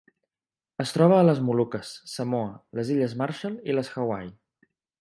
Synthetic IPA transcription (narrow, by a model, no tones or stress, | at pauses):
əst̪ɾɔβ̞əːləzmulukəsːəmoələziʎəzmaɾʃəliləsxəwaj